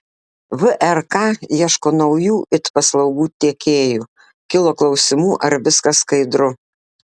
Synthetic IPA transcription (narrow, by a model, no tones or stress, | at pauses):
ʋʊʔɛɾkɑːiɛʃkoːnɔʊjuːʔɪt̪pɐslˠɒʊɡuːt̪ʲiɛkʲeːjuː | kʲɪlˠoːklˠɒʊsʲɪmuːʔɐɾʋʲɪskɐskɐɪd̪ɾʊ